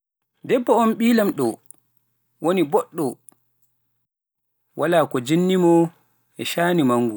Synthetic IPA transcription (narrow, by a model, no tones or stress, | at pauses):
dɛbːɔɔnɓiːlamɗɔ | wonibɔɗːɔ | walaːkɔd͡ʒinːimɔ | ʔɛʃaːnimaŋːɡu